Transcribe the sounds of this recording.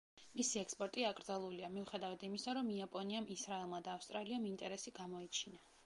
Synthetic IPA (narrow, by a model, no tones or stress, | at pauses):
misiɛkspʼɔɾt̪ʼiakʼɾd̪zalˠuliamiuχɛd̪avad̪imisaɾɔmiapʼɔniamisɾaɛlˠmad̪aːfst̪ʼɾaliamint̪ʼɛɾɛsiɡamɔit͡ʃʰina